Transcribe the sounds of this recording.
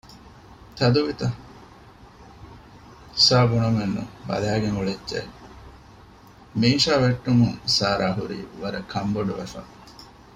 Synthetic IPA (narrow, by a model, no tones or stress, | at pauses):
t̪ɐd̪uʋit̪ɐ | saːbunɐmenːṵbɐ̰læːɡeŋuɭedd͡ʒḛ | miːʃaːʋeʈːumuŋsaːɾʔaːɦuɾḭːʋɐɾɐkʰɐmboɖuʋæ̰fɐ̰